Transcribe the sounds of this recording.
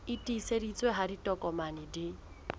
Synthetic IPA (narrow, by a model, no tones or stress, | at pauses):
ɪtʼiisedit͡sʼweɦaditʼɔkʼɔmanɪdɪ